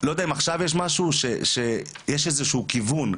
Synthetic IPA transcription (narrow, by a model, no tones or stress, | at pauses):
lod̪aimaχʃavjeʃ̬maʃuʃeʃe | jeʃezeʃuːkivun